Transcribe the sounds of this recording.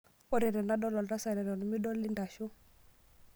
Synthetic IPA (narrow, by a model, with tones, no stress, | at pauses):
ɔ˦ɾɛ˨ɾɛ˨na˦dɔ˦lɔ˨lɾa˦sa˨ɾɛ˨ɾɔ˨nɔ˨mi˦dɔ˦lli˦nda˨ʃu˦